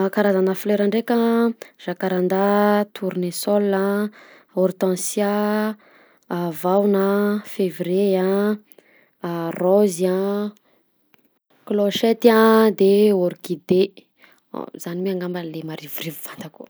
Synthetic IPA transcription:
kaɾazanəfleɾaɳɖ͡ʐekʲəʒ̥akaɾand̪at̪ʰuɾinesɔla | oɾut̪ãsja | vawnafevreã | roziã | kloʃet̪iãd̪eoɾikid̪ḛ | zanimeaŋɡambanlemaɾivuɾivuvand̪akṵ

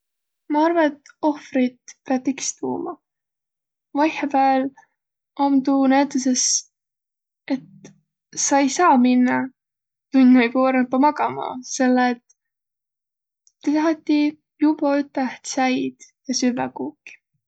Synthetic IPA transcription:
mɑɑrvɑet̪ːo̞frɾid̪̥peɑt̪ːikst̪ṵːmɑ | vɑjhɑvæːl | ɑmt̪unæt̪ːˑeses | e̞t̪ | sɑejsɑːminːɑ | t̪unnɑjkuɾnɑpːɑmɑɡ̥ɑmɑ̰se̞lːeːt̪ | et̪ɑɦɑt̪ːˑi | jubɑyt̪ːˑæht̪sæjd̪̥jɑsyvækuːkːi̥

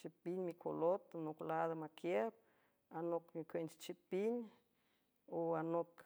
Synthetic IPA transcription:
t͡ʃipiɲʲmikʰolot̪noklad̪amakjep̚ | anokmikʷent͡ʃt͡ʃipiɲ | oanok

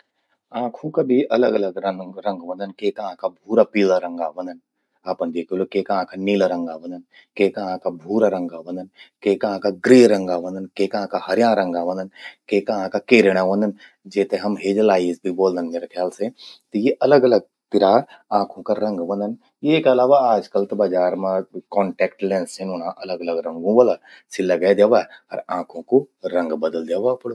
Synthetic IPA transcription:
ãːkʰũkabʱiʔɐləɡɐləɡɾəɾɐ̃ŋɡʋɐ̃nd̪ənkeːkãːkʰabʱuːɾapiːlaɾɐ̃ŋɡaʋɐ̃nd̪ən | aːpənd̪eːkʰilokeːkãːkʰaniːlaɾɐ̃ŋɡaʋɐ̃nd̪ən | keːkaãːkʰabʱuːɾaɾɐ̃ŋɡaʋɐ̃nd̪ənkeːkãːkaɡɾiːɾɐ̃ŋɡaʋɐ̃nd̪ənkeːkãːkaɦɐɾjãːɾɐ̃ŋɡaʋɐ̃nd̪ənkeːkaãːkakeːɾɽ̃aʋə̃nd̪ən | d͡ʒeːt̪ẽɦɐmɦeːd͡ʒlaːizbʱiboːld̪ənmeːɾekʰjaːlset̪ɐjeʔɐləɡɐləɡ̚t̪ɪɾaãːkʰõkaɾɐ̃ŋɡbɐ̃nd̪ən | jekɐlaːʋaaːd͡ʒkəlt̪ɐbad͡ʒaːɾmẽkɔːɳʈɛːkʈlẽːnsenʊnãʔɐləɡɐləɡɾɐ̃ŋɡõʋəla | silːɐɡɛːd̪jeʋaɐɾãːkʰõkoɾɐ̃ŋɡbɐd̪əld̪jeːʋapɐɽo

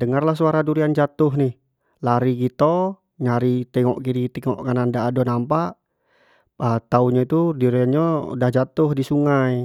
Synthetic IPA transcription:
dəŋarlahs̬uaɾaduɾiand͡ʒat̪ʊɦnɪh | laɾiɡit̪o | ɲaɾit̪ɛŋɔ̰ʔkiɾit̪ɛŋɔ̰ʔkanandaːdonampaʔ | ət̪auɲait̪uduɾianɲa̰dahd͡ʒat̪ʊhdisuŋaj

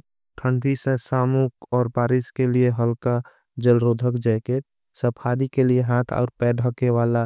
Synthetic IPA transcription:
ʈʰəɳɖisesaːmukɔːɾbaːɾɪskelieɦəlka | d͡ʒəlɾoːd̪ʱəkd͡ʒɛːkeːʈ̚ | səpʰaːd̪ikelieɦãːt̪ʰa̰ːɾpɛːɖʱəkewaːla

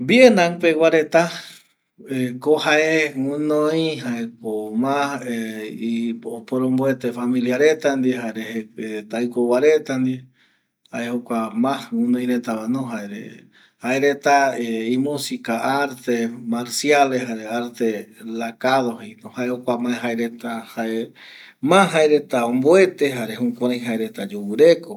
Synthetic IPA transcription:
bjenaŋpewaɾet̪a | ekohaeŋunoiɦaekomaheiopoɾomboet̪efamiljaɾet̪and̪ieɦaɾeheet̪ajkowaɾet̪and̪ie | haehokʷamãhunoj̃ɾet̪aβanõɦaeɾḛ | haeɾet̪aeĩmusikaʔaɾt̪emaɾsjaleɦaɾeaɾt̪elakaðohinohaehokʷamaeɦaeɾet̪ahae | mãɦaeɾe̞t̪aõmboe̞t̪eɦaɾeɦũkʷãɾãjɦaeɾe̞t̪ad͡ʒuwɨɾeko

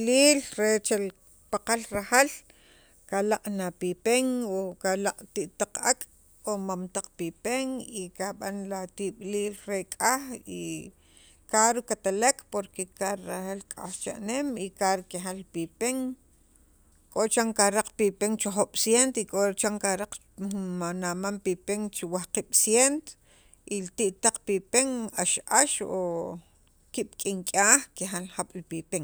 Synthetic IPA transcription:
liːlɾet͡ʃel | paqalɾahal | kalaqʼnapipeŋokalaqʼt̪iʔt̪aq͡χakʼ | omamt̪aq͡χpipeŋikaɓanlat̪iɓliːlɾekʼaxi | kaɾukat̪alekʰʼpoɾkekaɾahalkʼa̰ht͡ʃa̰ʔnemikaɾkeɦalːpipeŋ | kʼot͡ʃaŋkaɾaq͡χpipeŋt͡ʃoχoɓ̥sjent̪ikʼoɾt͡ʃaŋkaɾaq͡χ | manamampipeŋt͡ʃiwahqiɓ̥sjent̪o̥ | ilt̪iʔt̪aq͡χpipeŋaʃʔaʃo | kiɓ̥kʼiŋkʼaːχkehalhaɓ̥lipipeŋ

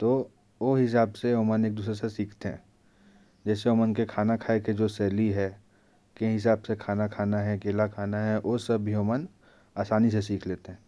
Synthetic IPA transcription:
t̪oː | ʋoɦɪs̬aːbseoːməneːk̚d̪uːs̬ɾesesiːkʰt̪eɦɛ̰̃ː | d͡ʒɛːseoːmənkekʰaːnakʰaːeked͡ʒoːsɛːliɦɛː | keɦɪsaːbsekʰaːnakʰaːnaɦɛkeːlakʰaːnaɦɛʔosɐbɦioːmən | aːsaːnis̬es̬iːkʰleːt̪eɦɛ̃ː

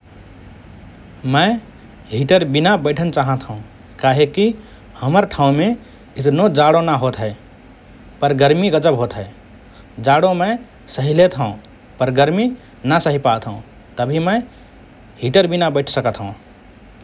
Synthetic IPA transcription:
mə̃ɪ | ɦiʈəɾbinabəɪʈʰənt͡ʃaɦə̃t̪ʰɦũ | kaɦeki | həməɾʈʰãũme | ɪt̪nod͡ʒaɽonaɦot̪ɦɛɪ | pəɾɡəɾmiɡəd͡ʒəbɦot̪ɦɛe | d͡ʒaɽomə | səɦilet̪ɦə̃ | pəɾɡəɾmi | nəsəɦipat̪ɦõ | t̪əbʱimə̃ɪ | ɦiʈəɾbinabəɪʈʰsəkət̪ɦə̃

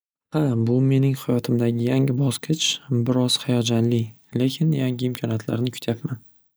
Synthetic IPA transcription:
habʊme̞nɪŋhajɒt̪ʰɪmd̪aɡʲɪjaŋɪbɒsqʰɨt͡ʃbɪɾɒz̥hajɒd͡ʒanlɪ | le̞kʲʰɪnjaŋɪːmkʰɒnijat̪ʰla̰ɾnɪkʰʊ̥t̪ʰjapman

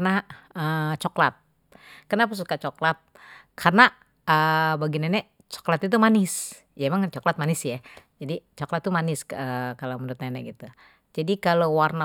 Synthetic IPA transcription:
naət͡ʃɔklat̪̚ | kərnapas̬ukat͡ʃɔklat̪̚kʰarna | əbaɡinanɛʔ | t͡ʃɔ̥klat̪it̪̬umanɪs | jaemaŋt͡ʃɔklat̪̚manɪsjad͡ʒadit͡ʃɔklat̪ːumanɪsəkalomənʊt̪̚nanɛʔɡit̪u | d͡ʒadikalowarna

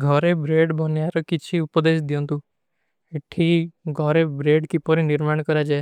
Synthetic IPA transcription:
ɡʱɔɾebɾeɖbʱɔnjaɾɔkit͡ʃʰiupɔd̪esd̪ijɔnt̪ũ | eʈʰiɡʱɔɾebɾeɖkipɔɾiniɾmaɽ̃kɔɾad͡ʒae

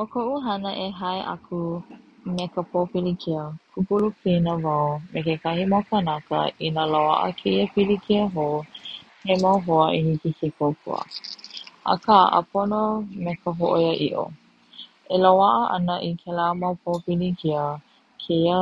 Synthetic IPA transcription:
okʰoʔuɦɐnəʔeɦaeʔa̰kʰumekəpʰopilikʰiəkʰukulupinəvawmekekahimawkanakə̰inəlawa̰ʔə̰kʰeiəpilikʰiəɦo | hemawɦoəʔihikisikʰowkʰṵə̰ | ʔa̰kaʔə̰pʰonomekəɦoʔojəʔiʔo̰ | ʔelawaʔəʔɐnəʔikʰɛlamawpʰopilikiə | kʰejə

